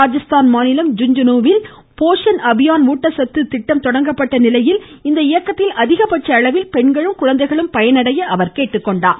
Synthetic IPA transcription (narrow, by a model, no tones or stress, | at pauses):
aːd͡ʒɐst̪aːnmaːnɪlɐmd͡ʒʊɲd͡ʒɐnuːʋɪl | poːʂɐnʔɐbɪjaːnʋuːʈːɐsɐt̪ːɯt̪ɪʈːɐmt̪ɔɽɐŋɡɐpːɐʈːɐnɪlɐjɪl | ɪnd̪ɐɪjɐkːɐt̪ːɪlʔɐðɪɣɐpɐʈt͡ʃːɐːɭɐʋɪlpɛɳɡɐɭɯmkʊɻɐnd̪ɐɪɣɐɭɯmpɐjɐnɐɽɐjɐʔɐʋɐɾkeːʈːɯkːɔɳɖaː